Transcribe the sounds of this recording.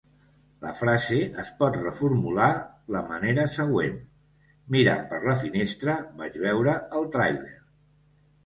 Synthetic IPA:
ləfɾazeʔəspɔt̪rəfuɾmulaləməneɾəsəɣ̞wen | miɾa̰mpəɾləfinest̪ɾəbad͡ʒβɛwɾəəlˠt̪ɾajlḛɾ

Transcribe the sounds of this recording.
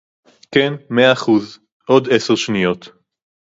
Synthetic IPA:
kenmeaːχuz | ʔo̞de̞seʁʃnijo̞t̪

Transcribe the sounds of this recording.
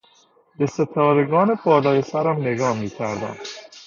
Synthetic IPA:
beset̪ʰɒːɾeɡɒːnebʰɒːlɒːjesæɾæmne̞ɡɒːmiːcʰæɾd̪æ̰m

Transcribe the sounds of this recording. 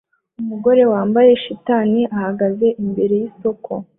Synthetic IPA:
umuɡo̞ɾe̞waːmbaje̞ʃitaːniʔahaɡaze̞ʔimbe̞ɾe̞jiso̞kʰo̞

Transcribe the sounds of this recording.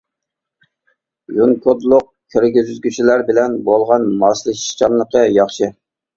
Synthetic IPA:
juŋkʰod̪lˠʊq̚kʲʰeɾɡʲizyzɡʲyt͡ʃʰilæɾbɪlɛnbolˠʁɑnmɑslˠɨʃi̥ʃt͡ʃʰɑnlˠəqəjɑχʃɨ

